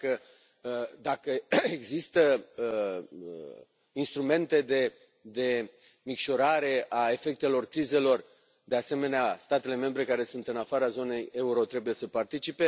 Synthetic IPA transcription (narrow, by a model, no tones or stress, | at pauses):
kə | d̪akəe̞ɡzist̪ə | inst̪ɾume̞nt̪e̞d̪e̞ | d̪e̞ | mikʃo̞ɾaɾe̞ʔae̞fe̞k̚t̪e̞lo̞rkɾize̞lo̞r | d̪e̞ase̞me̞neast̪at̪e̞le̞me̞mbɾe̞kaɾe̞sunt̪ɨnafaɾazo̞ne̞je̞uɾo̞t̪ɾe̞buje̞səpart̪it͡ʃipe̞